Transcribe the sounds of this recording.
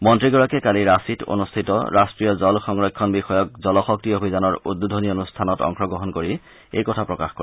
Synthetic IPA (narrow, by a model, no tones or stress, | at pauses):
mɔntɹiɡɔɹakɛkaliɹasito̰nustʰitɔ̰ɹʔastɹijɔzɔlxɔŋɹɔjkʰːɔnbixɔjɔk̚zɔlɔxɔk̚tiobʱizanɔɹudːudʱonionustʰanɔtɔ̰ŋxɔɡɹɔɦɔnkoɹi | ḛjkɔtʰapɹɔkaxkɔ̰